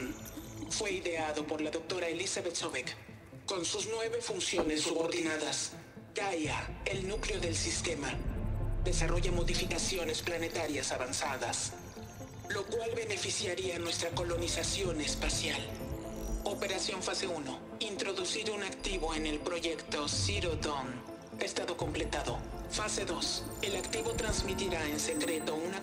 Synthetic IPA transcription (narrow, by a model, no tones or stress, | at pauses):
nfwe̞iðe̞aðo̞po̞ɾlaðo̞k̚t̪o̞ɾaelisaβet̪soβekː | o̞nsuznwe̞βe̞funsjo̞nesːuβoɾðinaðas | kajaelnukleo̞ðe̞lsist̪e̞maðe̞saro̞ʝamo̞ðifikasjo̞ne̞splane̞t̪aɾjasaβansaðas | lo̞kwalβe̞ne̞fisjaɾianwe̞st̪ɾako̞lo̞nisasjone̞spasjal | o̞pe̞ɾasjo̞ɱfase̞uno̞ | int̪ɾo̞ðusiɾunakt̪iβo̞e̞ne̞lpɾo̞ʝe̞kt̪o̞siɾot̪on | e̞st̪aðo̞ko̞mple̞t̪aðo̞fase̞ðo̞se̞lakt̪iβo̞t̪ɾanzmit̪iɾae̞nse̞kɾe̞t̪o̞una